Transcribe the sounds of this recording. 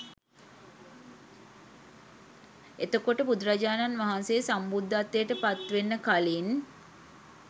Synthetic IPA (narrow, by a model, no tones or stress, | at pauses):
et̪əkoʈəpud̪ɾad͡ʒaːnanʋaɦanseːsambud̪ʱːat̪ːejəʈəpat̪ʋenːəkalin